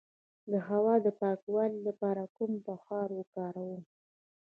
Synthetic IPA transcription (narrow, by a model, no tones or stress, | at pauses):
d̪əɦawɑd̪əpɑkwɑlilapɑɾakumpəxɑɾwəkɑɾawu